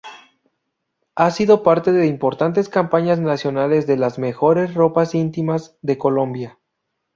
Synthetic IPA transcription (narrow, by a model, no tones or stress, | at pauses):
asiðo̞paɾt̪e̞ðe̞impo̞ɾt̪ant̪e̞skampaɲaznasjo̞nale̞zðe̞lazme̞xo̞ɾe̞sro̞pasint̪imazðe̞ko̞lo̞mbja